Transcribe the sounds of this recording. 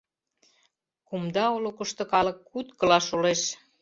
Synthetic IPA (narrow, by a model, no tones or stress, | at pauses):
kumd̪ɑolokəʃt̪okɑlə̆kːut̪kɤ̆lɑʃoleʃ